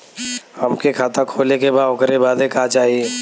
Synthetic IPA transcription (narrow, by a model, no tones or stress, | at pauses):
həmkekʰaːt̪ãkʰoːlekebaːʊkəɾebaːd̪ẽkat͡ʃaːɦie